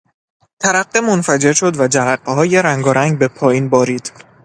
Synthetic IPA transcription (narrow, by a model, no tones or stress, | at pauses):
t̪ʰæɾæɢːemonfæd͡ʒe̞ɾʃo̞d̪væd͡ʒæɾæɢːeɦɒːje̞ɾæŋɡɒːɾæŋɡ̚be̞pʰɒːjiːnbɒːɾiːd̪̥